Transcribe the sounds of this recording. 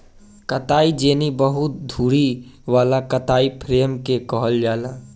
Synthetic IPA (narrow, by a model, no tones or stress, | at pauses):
kət̪aːid͡ʒeːnibəɦʊt̪̚d̪ʱuːɾiʋaːlakət̪aːipʰɾeːmkekɔɦəld͡ʒaːlaː